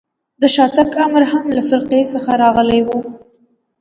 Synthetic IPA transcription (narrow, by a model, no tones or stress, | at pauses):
d̪əʃɑt̪akamɾɦamlafɪɾqesəxaɾɑɣəlajwu